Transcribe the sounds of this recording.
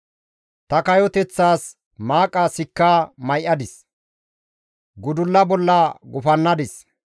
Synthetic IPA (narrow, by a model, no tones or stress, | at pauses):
t̪ɐkɐjɔt̪ɛt͡sːaːs | maːkʼːasɪkːaːmɐjʔɐd̪ɪs | ɡʊd̪ʊlːɐbɔlːɐɡʊfɐnːɐd̪ɪs